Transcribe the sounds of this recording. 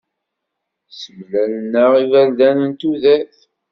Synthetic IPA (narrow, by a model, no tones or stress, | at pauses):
səmlænənːəʁivænðænənt̪uðæθ